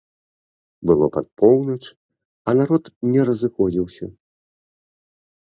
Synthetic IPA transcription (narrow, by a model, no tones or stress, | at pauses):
bɨlˠɔpat̪̚pʰɔwnɐt͡ʂ | ɐnaɾɔt̪nʲɛɾɐzɨxɔd͡zʲiwsʲɐ